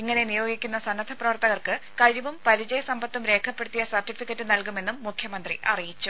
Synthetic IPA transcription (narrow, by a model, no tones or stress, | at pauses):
iŋːɐne̞nijo̞ːɡikʲːunːɐsɐnːɐd̪ʱɐprɐʋɐrt̪ɐɣɐrkɨkɐɻiʋumpɐɾid͡ʑɐjɐsɐmbɐt̪ːumɾe̞ːkʰɐpːe̞ɽut̪ːijɐsɐrʈːifikʲːɐtːɨnɐlkume̞nːumːukʰjɐmɐnd̪riʔɐ̰rijit͡ɕːu